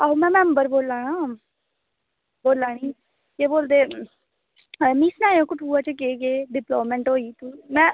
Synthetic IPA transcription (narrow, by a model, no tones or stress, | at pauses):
aːumɛ̃ːmɛ̃ːmbəɾboːlaːnaː | boːlːaːɽiː | keːboːld̪eː | miːsnaːjõːkʊʈʰuːat͡ʃəkeːkeːɖɪploːmɛ̃ɳʈɦoːiːt̪umɛ̃ː